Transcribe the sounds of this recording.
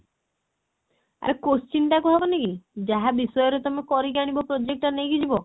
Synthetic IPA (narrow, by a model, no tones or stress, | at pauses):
a̰ɾekost͡ʃinʈakuɦabɔnekid͡ʒaɦabisɔjɔɾet̪ɔmekɔɾiɡaɽ̃ibɔpɾod͡ʒek̚ʈanejɡid͡ʒibɔ